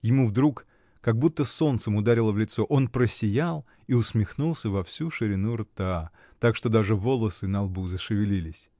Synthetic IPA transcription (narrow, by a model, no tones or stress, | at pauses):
jɪmuvd̪ɾuk | kɐɡ̚but̪ːəso̞nt̪səmʊd̪aɾʲɪlˠəvlʲɪt̪so̞ʔo̞npɾəsʲɪjalˠ | iʊsmʲɪxnulˠsʲəvɐfsʲuʂɨɾʲɪnurt̪a | t̪akʂt̪o̞d̪aʐɨvo̞lˠəsɨnɐlˠbuzəʂɨvʲɪlʲilʲɪsʲ